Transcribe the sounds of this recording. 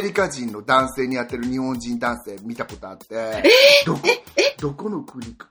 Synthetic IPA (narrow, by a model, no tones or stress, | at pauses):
ɾʲikaʑĩnːo̞d̪ãɰ̃se̞ːɲ̟ijat̪ːe̞ɾɯ̟ɲ̟ihõ̞ɲd͡ʑĩnd̪ãɰ̃se̞ːmʲit̪ako̞t̪o̞at̪ːed̪okd̪o̞ko̞no̞kɯ̟ɾʲik